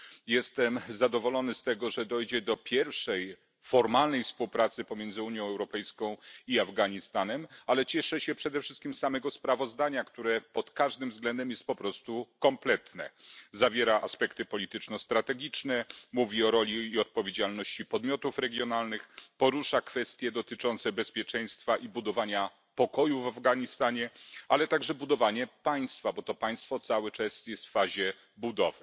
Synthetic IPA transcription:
jɛst̪ɛmzad̪ɔvɔlɔnɘst̪ɛɡɔʐɛd̪ɔjd͡ʑɛd̪ɔpʲjɛɾfʂɛj | fɔɾmalnɛjfspuwpɾat̪sɘpɔmʲjɛnd̪zɘuɲjɔ̃w̃ɛwɾɔpɛjskɔ̃w̃iavɡaɲist̪anɛmalɛt͡ɕɛʂɛɕɛpʂɛd̪ɛfʂɘst̪kʲimsamɛɡɔspɾavɔzd̪aɲakt̪uɾɛpɔt̪kaʐd̪ɘmvzɡlɛnd̪ɛmjɛst̪̚pɔpɾɔst̪ukɔmplɛt̪nɛ̰zavʲjɛɾaʔaspɛkt̪ɘpɔlʲit̪ɘt͡ʂnɔst̪ɾat̪ɛɡʲit͡ʂnɛmuvʲiɔɾɔlʲiːɔt̪̚pɔvʲjed͡ʑalnɔɕt͡ɕipɔd̪mʲjɔt̪ufɾɛɡʲjɔnalnɘxpɔɾuʂakfɛst̪ʲjɛd̪ɔt̪ɘt͡ʂɔnt̪sɛbɛspʲjɛt͡ʂɛj̃st̪faʔibud̪ɔvaɲa | pɔkɔjuvavɡaɲist̪aɲɛalɛt̪aɡʐɛbud̪ɔvaɲɛpaj̃st̪fabɔt̪ɔpaj̃st̪fɔt̪sawɘt͡ʂasjɛst̪fːaʑɛ | bud̪ɔvɘ

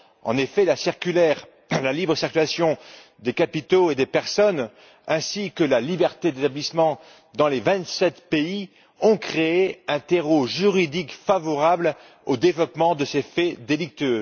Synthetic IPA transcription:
ɑ̰̃nefɛlasiʁkʲylɛʁ | lalibʁəsiʁkʲylasjɔ̃ | d̪ekapit̪oed̪epɛʁsɔn | ɛ̃sikəlalibɛʁt̪ed̪et̪ablismɑ̃ | d̪ɑ̃levɛ̃t̪sɛt̪pei | ɔ̃kχeːɛ̃t̪eʁoʒyʁid̪ikfavɔʁabl | od̪evlɔpmɑ̃d̪əsefɛd̪elik̚t̪øː

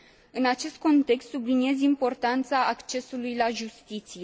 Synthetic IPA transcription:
ɨnat͡ʃe̞st̪̚ko̞nt̪e̞kst̪subliniezimpo̞rt̪ant̪saːkt͡ʃe̞sulujlaʒust̪it̪sije̞

